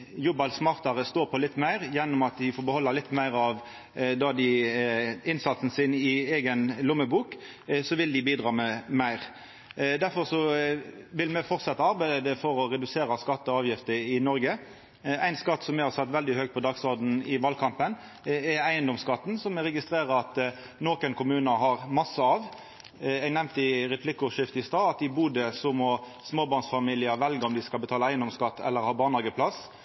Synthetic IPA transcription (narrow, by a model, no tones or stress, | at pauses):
jʊbɑlsmɑːʁt̪ɑɾəst̪oːɾpʰɔlɪt̪ːmæɪɾjɛnːʊmɑt̪d̪ɪfoːɾbəhɔlːɑlɪt̪ːmæɪʁɑʋ | d̪ɑd̪ɪ | ɪnsɑt̪sn̩sɪnɪeːɡənlʊmːəbuːk | sɔʋɪld̪ɪbiːd̪ɾɑːmɛmæɪɾ | d̪æɾfɔɾsɔ | ʋɪlmɛfɔɾt̪sɛt̪ːɑɑɾbæɪd̪əfɔɾɔɾɛd̪ʉseːɾɑskɑt̪ːɔɑːʋjɪft̪əɾɪnɔɾɡə | æɪnskɑt̪ːsɔmːɛhɑʁsɛt̪ːʋɛld̪ɪhøɡ̚t̪pʰɔd̪ɑːɡsɔɾd̪n̩ɪʋɑlkʰɑmpən | ɛæɪənd̪ɔmskɑt̪ːnsɔmːɛɾɛɡɪst̪ɾeːɾəɾɑt̪ | noːkənkʰʊmʉːnəɦɑʁmɑsːəɑʋ | ɛɡnɛmnt̪ɪɾɛpʰlɪkːʊʂɪft̪əɪst̪ɑːɑt̪ɪbuːd̪əsɔmɔ | smoːbɑʁnsfɑmiːlɪəɾʋɛlɡəɔmd̪ɪskɑlbət̪ʰɑːləæɪənd̪ɔmskɑt̪ːɛ̰lːəɾhɑːbɑːʁnlɑɡəpʰlɑs